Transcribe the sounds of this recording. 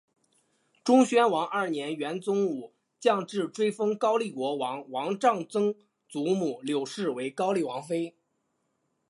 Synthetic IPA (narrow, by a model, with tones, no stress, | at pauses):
ʈ͡ʂʊ˥ŋɕɥɛ˥nwɑ˧˥ŋʔə˞˥˩njɛ˧˥nɥɛ˧˥nt͡sʊ˥ŋu˨˩˦ | t͡ɕjɑ˥˧ŋʈ͡ʂɻ̩˥˩ʈ͡ʂwe˥ɪfɤ˥ŋkɑ˥ʊli˥˩kwɔ˧˥wɑ˧˥ŋwɑ˧˥ŋʈ͡ʂɑ˥˩ŋt͡sɤ˥ŋ | t͡su˧˥mu˨˩ljo˨˩ʊʂɻ̩˥˩we˧˥ɪkɑ˥ʊli˥˩wɑ˧˥ŋfe˥ɪ